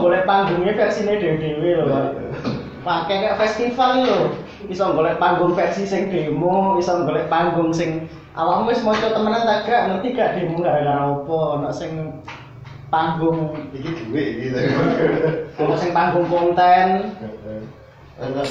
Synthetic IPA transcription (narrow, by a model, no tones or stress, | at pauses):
ŋɡolɛhpaŋɡʊŋefɛrsineɖ̥e̤wɖ̥ewelo | pakɛkaʔfɛst̪ifallo | isɔŋɡolɛhpaŋɡʊŋfɛrsisɪŋɖ̥e̤moisɔŋɡolɛhpaŋɡʊŋsɪŋ | ʔa̰lamuwɪsmɔt͡ʃɔt̪əmənant̪əɡ̥aʔŋot̪iɡ̥a̤ʔɖ̥e̤muŋɡadeŋaopɔnɔʔsɪŋ | paŋɡʊŋikid̥uweiki | nɔʔsɪŋpaŋɡʊŋpɔnt̪ɛn